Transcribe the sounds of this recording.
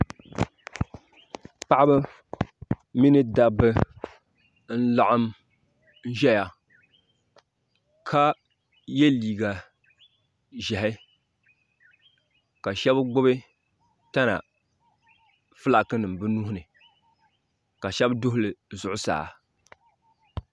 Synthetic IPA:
k͡pa˦ʔa˦bɨ˦ | mi˦nɨ˦da˦bɨ˦ | n̩˦la˦ʔa˦m | n̩˦ʒɛ˦ja˨ | kʰa˦ | je˦liː˨ɡa˨ | ʒɛ˨hɪ˦ | ka˨ʃɛ˦bɡ͡bʊ˦bɨ˦ | ta˦na̰˨ | fɨ˦la˨kɨ˦nɨ˨m˨bɨ˦nu˦hʊ˦nɨ˨ | ka˨ʃɛ˦bdʊ˦hʊ˦lɨ˨zʊ˦ʔʊ˦sa̰ː˨

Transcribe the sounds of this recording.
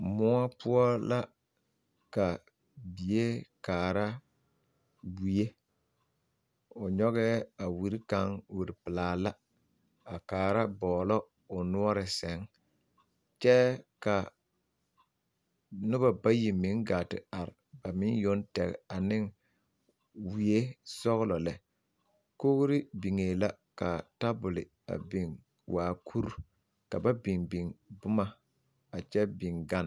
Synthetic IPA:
mʊ˦a˦pʊ˦ɔ˦la˦ | ka˨ | bi˨e˦kaː˨ɾa˦ | wi˦e˦ | ʊ˨ɲɔ˦ɣɛ˦a˨wi˨ɾi˦ka˨˦ŋwi˨ɾi˨pɪ˨laː˨la˦ | a˨kaː˨ɾa˦bɔː˨lɔ˦ | ʊ˨nu˦ɔ˦ɾɪ˨sɛ˨˦ŋ | t͡ʃɛ˦ka˨ | nʊ˦ba˨ba˦ji˨mɪ˨˦ŋɡaː˨tɪ̰˨a˨ɾɪ˨ba˨mɪ˦jo˦ntɛ˨ɣɛ̰˨a˨nɪ˦ŋ | wi˨e˦sɔ˦ɣlɔ˨lɛ˨ | ko˦ɣɾɪ˦bi˨ŋeː˨la˦ka˨ta˦bʊ˨lɪ˨ | a̰˨bi˨ŋ | wʔaː˨kʰu˦ɾ | ka˨ba˦bi˨ŋbi˨ŋbʊ˦ma˨ | a˨t͡ʃɛ˦bi˨ŋɡa˦n˨

